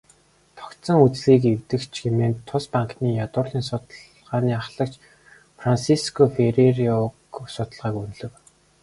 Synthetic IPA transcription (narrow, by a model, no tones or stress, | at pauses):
t̪ʰɔ̥kt̪sə̆ŋut͡sɮiːkewt̪ɘ̆kt͡ɕʰɡemeːnt̪ʰːʊspaŋkniːjat̪ʊːrɮiːnsʊt̪ɮ | ʁaːniːaχɮə̆kt͡ɕ | fransiskʰɔfeɾeriɔksʊt̪ə̆ɮʁaːkun̆ɮɵ̆w